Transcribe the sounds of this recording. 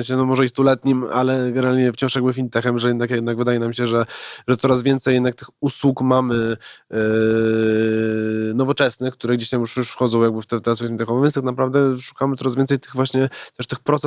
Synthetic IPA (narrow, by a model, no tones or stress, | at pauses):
ɕɛnɔmɔʐɛist̪ulɛt̪ɲima̰lɛɡɛnɛɾalɲɛft͡ɕɔ̃w̃ʂjaɡbɘfʲinʲt̪ɛxɛmʐɛjɛd̪nakjɛd̪naɡvɘd̪ajɛnamɕɛʐɛʐɛt̪sɔɾazvʲjɛnt̪sɛjɛd̪nak̚t̪ɘxuswukmamɘ | nɔvɔt͡ʂɛsnɛkt̪uɾɛɡd͡ʑeɕt̪amjuʂjuʂfxɔd̪zɔ̃w̃jaɡ̚bɘft̪ɛft̪ɛswusmʲit̪ɛxɔvɛvʲɛnt̪ak̚napɾavd̪ɛʂu̥kamɘt̪sɔɾazvʲɛnt̪s̬ɛjt̪ɘɣvwaɕɲɛt̪ɛʂt̪ɘxpɾɔt̪s